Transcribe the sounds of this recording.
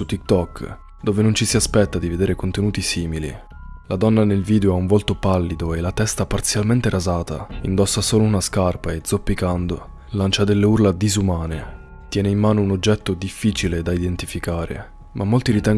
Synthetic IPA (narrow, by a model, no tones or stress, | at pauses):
ut̪ːik̚t̪ɔk | d̪oːvenont͡ʃisiaspɛt̪ːad̪ived̪eːɾekont̪enuːt̪isiːmilḭlad̪ɔnːanelviːd̪eoauɱvolt̪opalːid̪oelat̪ɛst̪apart̪sjalment̪eɾazaːt̪a̰ind̪ɔsːasoːlounaskarpaed̪zopːikand̪o̰ | lant͡ʃad̪elːeurlad̪izumaːne | t̪jɛːneimmːaːnounod͡ʒːɛt̪ːod̪ifːiːt͡ʃiled̪aid̪ent̪ifikaːɾḛ | mʔamːolt̪iɾit̪ɛŋ